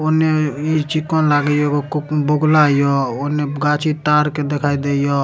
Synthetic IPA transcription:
oneit͡ʃikɔnlaɡəjokekkboɡʱlajɔoneɡat͡ʃʰit̪aɾked̪ekʰaid̪ejɔ

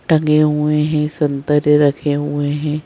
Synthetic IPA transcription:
ʈɐŋɡeɦueɦɛ̃sɐ̃nt̪əɾjəɾɐkʰeɦueɦɛ̃ː

